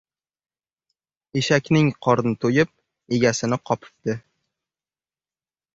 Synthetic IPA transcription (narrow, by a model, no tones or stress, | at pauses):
eʃakʲnɪŋqʰɒɾnɪt̪ʰojɪp̚ | e̞ɡʲasɪnɪqʰɒpʰɪ̥p̚d̪ɪ